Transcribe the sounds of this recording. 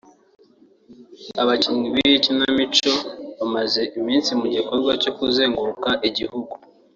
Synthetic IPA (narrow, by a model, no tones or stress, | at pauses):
aβaciɲiβiicinamit͡ʃo̞βamaze̞ʔimiːnsimuɟiko̞ɾɡwaco̞kuzeːŋɡukaʔiɟihuɡu